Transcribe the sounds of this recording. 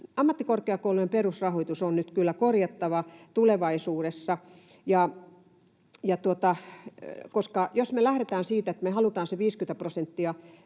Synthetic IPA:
ɑmːɑt̪ːikorkeɑkouluemperusrɑhoit̪usonnyt̪kylːækorjɑt̪ːɑʋɑt̪uleʋɑisuːɾesːɑ | jɑ | jɑt̪uot̪ɑ | koskɑjosmelæhɾet̪æːnsiːt̪et̪mehɑlut̪ɑːnseʋiːskyĕt̪æprosent̪ːiɑ

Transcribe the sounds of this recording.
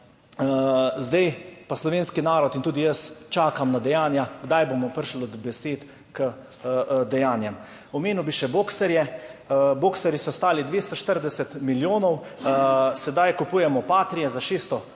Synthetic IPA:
zd̪ɛjpaslɔʋeːnskinaːɾɔt̪int̪uːd̪ijəst͡ʃaːkamnad̪ɛjaːnjaɡd̪ajbomɔpəɾʃlɔd̪bɛseːt̪ | kə | d̪ɛjaːnjɛm | ɔmeːnuwbiʃɛboːksɛɾjɛ | boːksɛɾjisɔst̪aːlid̪ʋeːst̪ɔʃt̪əɾd̪ɛsɛt̪miljoːnɔw | sɛd̪ajkupuːjɛmɔpaːt̪ɾijɛzaʃeːst̪ɔ

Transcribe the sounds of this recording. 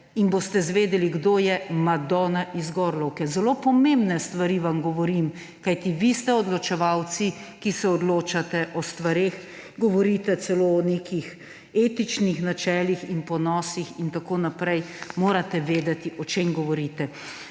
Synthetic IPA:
inbost̪ɛzʋeːd̪ɛliɡd̪oːjɛmad̪ɔnaʔizɡɔːɾlɔwkɛzɛloːpɔmẽmbnɛst̪ʋaɾiʋamɡɔʋɔɾim | kajt̪iʋist̪ɛɔd̪lɔt͡ʃɛʋawt̪sikisɛɔd̪loːt͡ʃat̪ɛʔɔst̪ʋaɾeːx | ɡɔʋɔɾit̪ɛsɛloɔneːkix | eːt̪it͡ʃnixnat͡ʃɛːlixinpɔnɔːsixint̪akoːnapɾɛjmoːɾat̪ɛʋeːd̪ɛt̪iʔɔt͡ʃeːmɡɔʋɔɾiːt̪ɛ

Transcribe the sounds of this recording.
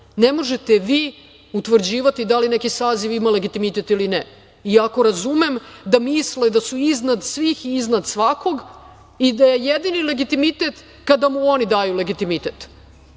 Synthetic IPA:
nemo̞ʒet̪eʋi | ut̪ʋr̩d͡ʑiːʋat̪id̪aline̞kisaːziʋimale̞ɡit̪imit̪et̪ilinɛ | iako̞ɾazumemd̪amisled̪asuiznad̪sʋixiːznad̪sʋako̞ɡ | id̪ajejed̪inile̞ɡit̪imit̪et̪ | kad̪amuo̞nid̪aːjule̞ɡit̪imit̪et̪

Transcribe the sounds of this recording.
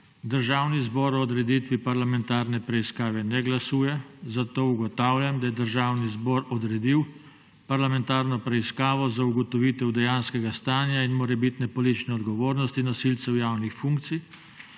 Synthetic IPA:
d̪əɾʒaːwnizbɔɾɔːd̪ɾɛd̪it̪ʋipaɾlamɛnt̪aːɾnɛpɾɛiskaːʋɛnɛɡlasuːjɛzat̪oːuɡɔt̪aːwljamd̪ajɛd̪əɾʒaːwnizbɔːɾɔd̪ɾɛd̪iw | paɾlamɛnt̪aːɾnɔpɾɛiskaːʋɔzauɡɔt̪ɔʋiːt̪ɛwd̪ɛjaːnskɛɡast̪aːnjainmɔɾɛbit̪nɛpɔlit̪it͡ʃnɛɔd̪ɡɔʋoːɾnɔst̪inɔsilt̪sɛwjaːwnixfuŋk̚t̪si

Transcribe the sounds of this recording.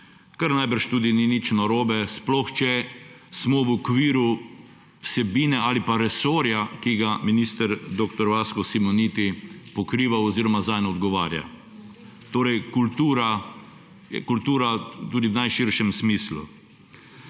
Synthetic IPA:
kaɾnajbəɾʃt̪uːd̪ininit͡ʃnɔɾoːbɛsplɔxt͡ʃɛ | smɔʋɔkʋiːɾu | wsɛbiːnɛaːlipaɾɛsoːɾjakiɡaminiːst̪əɾd̪ok̚t̪ɔɾʋaskɔsimɔniːt̪ipɔkɾiːʋawɔziːɾɔmazajnɔɔd̪ɡɔʋaːɾja̰ | t̪oːɾɛjkult̪uːɾa | jɛkult̪uːɾat̪uːd̪iwnajʃiɾʃɛmsmiːslṵ

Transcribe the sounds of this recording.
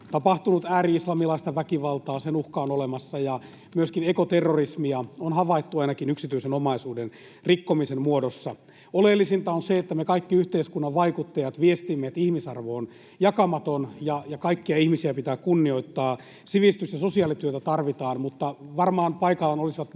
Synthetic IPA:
t̪ɑpɑht̪unut̪æːɾiislɑmilɑist̪ɑʋækiʋɑlt̪ɑːsenuhkɑonolemɑsːɑjɑ | myøskinekot̪erːorismiɑonhɑʋɑit̪ːuɑinɑkinyksit̪yisenomɑisuːden | rikːomisemmuodosːɑ | olelːisint̪ɑonseet̪ːæmekɑikːiyht̪eiskunːɑʋʋɑikut̪ːɑjɑt̪ʋiest̪imːeːt̪ihmisɑrʋoːn | jɑkɑmɑt̪onjɑjɑkɑikːiɑihmisiæpit̪æːkunːio̞it̪ːɑː | siʋist̪ysjɑsosiɑːlit̪yøt̪æt̪ɑrʋit̪ɑːnmut̪ːɑʋɑrmɑːnpɑikɑlːɑnolisiʋɑt̪

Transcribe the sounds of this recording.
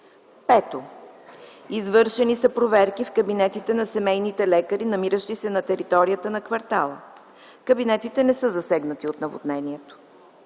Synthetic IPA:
pɛt̪o | izvɤɾʃɛnisɐpɾovɛɾkifkɐbinɛt̪it̪ɛnɐsɛmɛjnit̪ɛlɛkəɾinɐmiɾəʃt̪isɛnɐt̪ɛɾit̪ɔɾijət̪ənɐkvɐɾt̪alˠə | kɐbinɛt̪it̪ɛnɛsɤzɐsɛɡnət̪iot̪nɐvo̰d̪nɛniɛt̪o̥

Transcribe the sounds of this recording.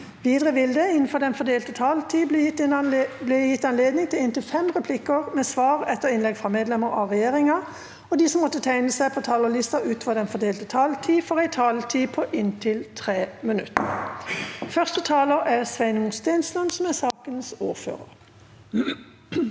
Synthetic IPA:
ʋiːd̪ʁəʋɪld̪əɪnn̩fɔd̪ɛnfɔd̪eːlt̪ət̪ʰɑːlt̪ʰiːt̪ɪblɛjɪt̪ːɑnleːd̪nɪŋt̪ʰɪlɪnt̪ɪlfɛmʁɛpʰlɪkəʁmeːsʋɑːʁɛt̪əʁɪnlɛɡfʁɑmeːd̪lɛməʁɑ̰ʁɛjeːʁɪŋɑ | ɔd̪iːsɔmːɔt̪ːət̪ʰæɪnəsæɪpʰɔt̪ʰɑːləʁlɪst̪ɑʔʉːt̪fɔʁd̪ɛnfɔʁd̪eːlt̪ət̪ʰɑːlt̪ʰiːfɔʁæɪt̪ʰɑːlt̪ʰiːpʰɔʔɪnt̪ʰɪlt̪ʰʁeːmənʉ̰t̪ːə | fœʁst̪ət̪ʰɑːləʁæʁsʋæɪnmʊst̪æɪnslɑnsɔmæsɑːkənsṵːʁfø̰ːʁə̰ʁ

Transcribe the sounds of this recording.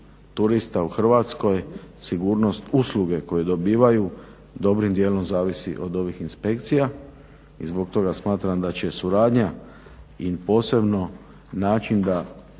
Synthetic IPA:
t̪uɾist̪auxr̩ʋat̪sko̞jsiɡuːɾno̞st̪usluɡe̞ko̞jed̪o̞biːʋaju | d̪o̞bɾimd̪je̞ːlo̞mzaːʋisḭʔo̞d̪o̞ʋixinspe̞kt̪sija | izbo̞kt̪o̞ɡasmaːt̪ɾamd̪at͡ɕe̞suɾaːd̪ɲa | ipo̞ːse̞bno̞ | naːt͡ʃind̪a

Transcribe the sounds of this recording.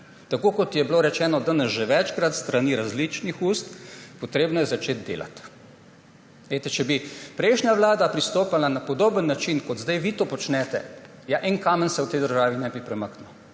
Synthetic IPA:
t̪akoːkɔt̪jɛbloːɾɛt͡ʃɛːnɔd̪ənɛsʒɛʋɛt͡ʃkɾat̪st̪ɾaniɾazlit͡ʃnixuːst̪pɔt̪ɾeːbnɔjɛzat͡ʃeːt̪̚d̪ḛːlʔa̰t̪ | ʋet̪ɛt͡ʃɛbipɾɛjʃnʲaʋlaːd̪apɾist̪oːpalanapɔd̪oːbənːat͡ʃinkɔd̪zd̪ajʋit̪oːpɔt͡ʃnɛt̪ɛ̰ | jaʔɛŋkaːmənsɛwt̪ɛjd̪əɾʒaːʋinɛbipɾɛməknu

